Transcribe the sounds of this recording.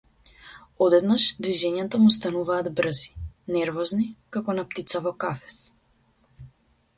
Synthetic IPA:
ɔd̪ɛd̪naʃd̪viʒɛɲat̪amus̬t̪anuvaːd̪br̩zi̥nɛɾvɔznikakɔnap̚t̪it̪savɔkafɛ̥s

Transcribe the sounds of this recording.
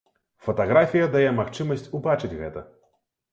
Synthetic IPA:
fɐt̪aɣɾafʲijɐd̪ajɛmaxt͡ʂɨmɐsʲt͡sʲubat͡ʂɨd͡zʲɣɛt̪ɐ

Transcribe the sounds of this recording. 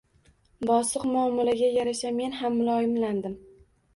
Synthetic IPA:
bɒsɨqmʊɒmːɒlaɡʲajaɾaʃame̞nhamːʊlˠɒjɪmland̪ɪm

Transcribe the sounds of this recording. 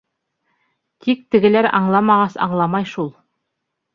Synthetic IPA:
t̪ʰik̚t̪ɘ̆ɡɘ̆læɾɑ̰ɴlˠɑmɑʁɑsɑ̰ɴlˠɑmɑjʃulˠ

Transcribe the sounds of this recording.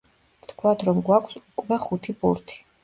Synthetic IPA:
vt̪ʰkʰwat̪ʰɾɔmɡwakʰsukʼvɛχut̪ʰipʼṵɾt̪ʰi̥

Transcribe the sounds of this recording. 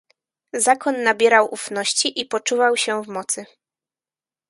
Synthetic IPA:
zakɔnːabʲjɛɾawʔufnɔɕt͡ɕiʔipɔt͡ʂuvawɕɛvmɔt̪sɘ

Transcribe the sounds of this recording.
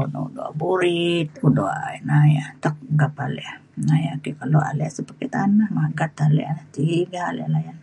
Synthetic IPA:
ono̰udoa̰buɾit̪̚kudoa̰ʔnajat̪ək̚ɡapaleʔa | najakikaloʔa̰leasəpəket̪anahmaɡat̪alḛʔanat̪iiɡaːlḛlajan

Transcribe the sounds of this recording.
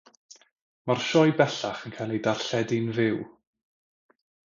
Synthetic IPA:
marʃɔjbɛɬaχənkʰajlˠejdarɬɛdɪnvɪw

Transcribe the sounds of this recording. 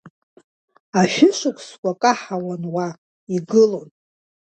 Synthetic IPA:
aʃᶣɪʃʷɨkʷʰʼskʷʼakʼaħawanwa | iɡɨlo̞n

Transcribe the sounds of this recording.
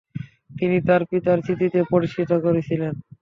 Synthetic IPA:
t̪init̪aɾpit̪aɾt͡ɕʰit̪it̪epoɾiʃkit̪okoɾet͡ɕʰilen

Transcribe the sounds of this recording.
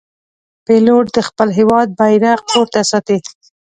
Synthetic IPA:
peloʈ̚d̪əxpəlɦewɑd̪̚bajɾaqpoɾt̪asɑt̪e

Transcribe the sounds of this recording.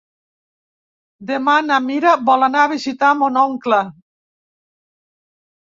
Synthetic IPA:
d̪emanamiɾabɔlanaːβizit̪amonɔŋkla

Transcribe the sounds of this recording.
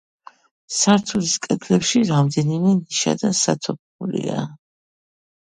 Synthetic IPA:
saɾt̪ʰuliskʼɛd̪ʰlɛpʃiɾamd̪ɛnimɛniʃa̰d̪ansat̪ʰɔp̚ʰ | ulḭa̰

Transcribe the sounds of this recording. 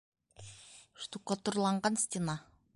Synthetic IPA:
ʃt̪uqːɑt̪uɾlˠɑɴɢɑnsʲt̪ʲɪnɑ

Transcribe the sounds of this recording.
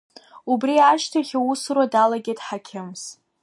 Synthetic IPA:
ubriaʃtʰaχʲausɨrwadalaɡʲedħakʲʰɪmz

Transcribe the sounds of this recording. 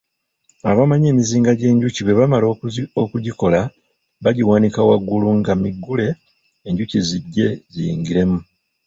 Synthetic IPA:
aβamaɲeːmiziːŋɡaɟe̞ːɲɟuciβwe̞βamalookuɟiko̞la | βaɟiwaːnikawaɡːuluŋɡamiɡːule̞ː | ɲɟuciziɟːe̞ɟijḭːŋɡiɾe̞mu

